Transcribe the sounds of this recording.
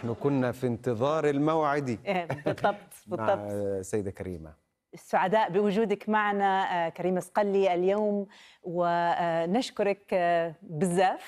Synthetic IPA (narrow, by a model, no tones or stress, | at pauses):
ħnʊkʊnːafint̪ɨðˤɑːɾˤɪlmawʕɪd̪ibbɨðˤːɑb̚t̪ˤbɨðaˤːɑtsajːɪd̪akaɾḭːma̰ | ɪsːʊʕad̪aːʔbɪwʊd͡ʒuːd̪akmaʕanakaɾiːmasqalːiʔaljoːmwɪnaʃkʊɾˤɑk | bɪzːaːf